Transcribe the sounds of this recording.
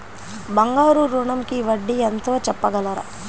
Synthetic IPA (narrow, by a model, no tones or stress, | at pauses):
bɐŋɡaːɾuɾuɳɐmkiʋɐɖːient̪o̞ːt͡ʃɛpːɐɡɐlɐɾɐ̰